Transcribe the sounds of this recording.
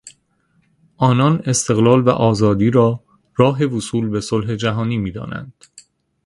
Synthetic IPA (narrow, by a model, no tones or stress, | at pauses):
ʔɒːnɒːne̞st̪e̞ɣlɒːlvæ̰ʔɒːzɒːd̪iːɾɒː | rɒːɦe̞vusuːlbe̞solɦed͡ʒæɦɒːniːmiːd̪ɒ̰ːnæ̰nd̪̥